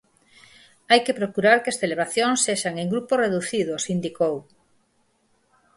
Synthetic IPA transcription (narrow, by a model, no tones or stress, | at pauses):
ajkepɾokuɾaɾkesθeleβaθjoŋseʃaŋeŋɡɾuporeðuθiðosind̪ikow